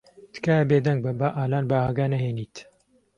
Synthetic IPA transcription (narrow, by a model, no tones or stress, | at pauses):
t̪ɨ̥kabeːd̪ɐŋɡ̚bɐbaːʔaːlaːnbaːhaɡaːnɐɦeːniːt̪